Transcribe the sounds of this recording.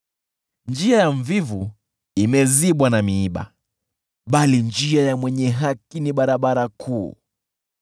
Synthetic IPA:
nd͡ʒiajaɱvivu | imɛziɓwanamiiɓa̰ | ɓalind͡ʒiajamwɛɲɛɦakiniɓaɾaɓaɾakʰuː

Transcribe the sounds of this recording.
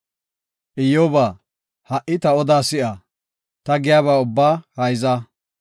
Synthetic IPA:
ʔɪjoːbaː | hɐʔɪt̪ɐɔd̪aːsɪʔɐ | t̪ɐɡɪjaːβaːʊbːaːhɐjzɐ

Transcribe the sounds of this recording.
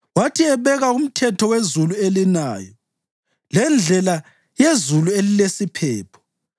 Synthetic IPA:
watʰiɛβɛɣaum̩tʰɛtʰɔwezuluelinaːjɔ | lɛnd͡ɮʱɛla | jezuluelilesipʰɛːpʰɔ̥

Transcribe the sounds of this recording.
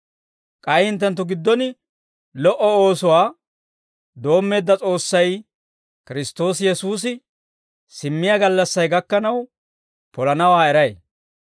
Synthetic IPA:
kʼɐjhɪnt̪ːɛnt̪̬ːʊɡɪd̪ːɔnɪ | lɔʔɔo̞ːsʊwaː | d̪o̞ːmːe̞ːd̪ːɐt͡sʼo̞ːsːɐj | kɪɾɪst̪o̞ːsjɛsuːsɪ | sɪmːɪjaɡɐlːɐsːɐjɡɐkːɐnɐw | pɔlɐnɐwaːɛɾɐj

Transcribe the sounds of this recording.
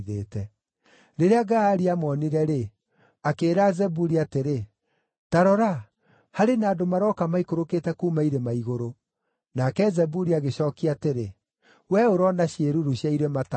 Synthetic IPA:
ðeːtɛ | ɾeɾeaɡaaɾiamɔniɾɛɾe | akeːɾazɛbuɾiateɾe | taɾɔɾa | haɾenaːdomaɾɔkamaikoɾoketɛkumaiɾemaiɣoɾo | nakɛzɛbuɾiaɣeɕɔːkiateɾe | wɛoɾɔnaɕjeɾuɾuɕjaiɾemata

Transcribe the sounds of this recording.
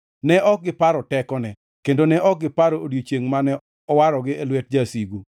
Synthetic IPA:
nɛʔɔk̚ɡɪpaɾɔtɛkɔnɛ | kendonɛʔɔk̚ɡɪpaɾoodjot͡ʃjeŋmanɛ | ɔwaɾɔɡɪelwɛt̚d͡ʒasiɡu

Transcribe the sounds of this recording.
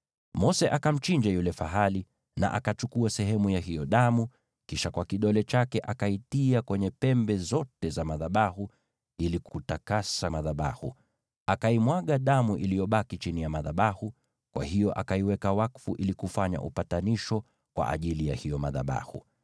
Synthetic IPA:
mɔsɛʔakam̩t͡ʃiɲd͡ʒajulɛfaɦali | na̰ʔakat͡ʃukuasɛɦɛmujaɦijɔɗamu | kiʃakwakiɗɔlɛt͡ʃakɛʔakaitiakwɛɲɛpɛmbɛzɔtɛzamaðaɓahu | ilikutakasamaðaɓa̰hṵ | akaimwaɠaɗamuʔilijɔɓakit͡ʃinijamaðaɓahu | kwʔa̰hijɔʔakaiwɛkawakfuʔilikufaɲa̰ʔṵpataniʃɔ | kwa̰ʔa̰ʄilijahijɔmaða̰ɓa̰hṵ

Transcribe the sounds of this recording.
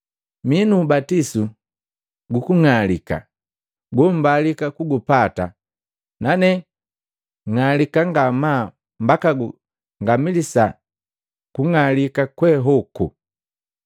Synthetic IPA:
minuːbatisu | ɡukuŋalika̰ | ɡɔm̩balikakuɡupata̰ | nanɛ | ŋalikaŋɡama | mbakaɡu | ŋɡamilisa | kuŋalikakwɛɦɔku

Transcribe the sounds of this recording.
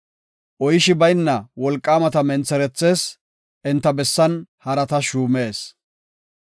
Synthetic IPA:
ʔɔjɪʃɪbɐjnːɐwɔlkʼːaːmɐt̪ɐmɛnt͡sːɛɾɛt͡sːe̞ːs | ɪnt̪ːɐbɛsːɐnhɐɾɐt̪ɐʃuːme̞ːs

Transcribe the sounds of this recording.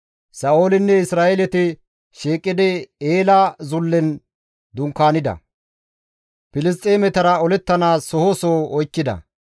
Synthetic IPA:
sɐoːlɪnːɛɪsɾaːelɛt̪ɪ | ʃeːkʼːɪd̪ɛeːlɐzʊlːɛn | d̪ʊŋkːaːnɪd̪ɐ̰ | pɪlɪs̬t̪ʼeːmɛt̪ɐɾɐɔlɛt̪ːɐnaːsɔhoːsoːɔjkːɪd̪ɐ̰

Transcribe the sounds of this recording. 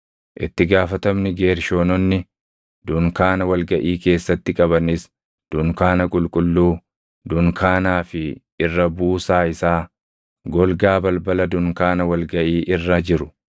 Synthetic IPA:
ʔɪ̰t̪ːɪɡaːfɐt̪ɐmnɪɡe̞ːɾʃo̞ːnɔnːɪ | d̪̥ʊŋkaːnɐwɐlɡɐʔiːke̞ːsːɐt̪ːɪkʼɐβɐnɪs | d̪̥ʊŋkaːnɐkʼʊlkʼʊlːuː | d̪ʊŋkʰaːnaːfɪ | ɪrːɐbuːsaːɪsaː | ɡɔlɡaːbɐlbɐlɐd̪ʊŋkaːnɐwɐlɡɐʔiːʔɪrːɐd͡ʒɪɾʊ̥

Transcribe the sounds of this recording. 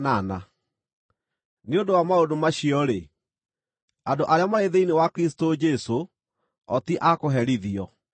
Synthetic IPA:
nana | neondowamaodomaɕiɔɾe | andoʔaɾeamaɾeðeinewakɾis̬i̥tod͡ʒɛso | ɔtiʔakoɦɛɾiðiɔ

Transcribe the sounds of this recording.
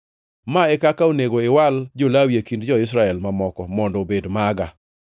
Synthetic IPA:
maɛkakaoneɡoɪwald͡ʒolawjekindd͡ʒɔɪs̬ɾaɛlmamɔkɔmɔndɔbedmaɡa

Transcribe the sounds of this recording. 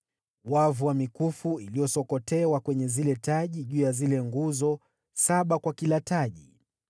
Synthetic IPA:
wavuwamikufuilijɔsɔkɔtɛwakwɛɲɛzilɛtaʄiʄuːjazilɛŋɡuzɔ | saɓakwakilataʄi

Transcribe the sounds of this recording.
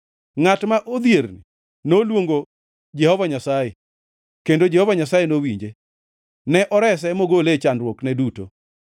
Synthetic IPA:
ŋatmaʔod̪jeɾnḭ | nolwoŋɡo | d͡ʒɛhɔvaɲasaje | kendod͡ʒɛhɔvaɲasajenowiɲd͡ʒe | nɛʔɔɾɛs̬ɛmoɡolet͡ʃandɾwoknɛduto̰

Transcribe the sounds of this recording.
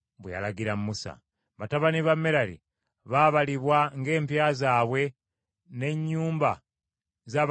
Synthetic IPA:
βweja̰laɡiɾammusa̰ | βataβaniβamːeɾalḭ | βaβaliβwaŋɡe̞ːmpjazaːβwe̞ | ne̞ɲːuːmba | zaβ

